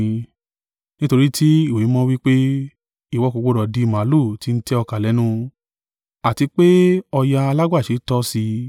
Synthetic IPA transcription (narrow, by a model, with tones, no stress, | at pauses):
nĩ˦to˧ɾi˦ti˦i˦˨we˨˦mɔ̃˦wi˦k͡pe˦ | i˦˨wɔ˨˦ko˧k͡po˦ɾɔ˨di˨˧˨mã˨˦lo˦˨ti˦n̩˦tɛ˦ɔ˧ka˨lɛ˨˦nũ˦˧ | a˨ti˧k͡pe˦ɔ˧ja˧a˧la˦ɡ͡ba˦˨ʃe˨˦tɔ˦si˧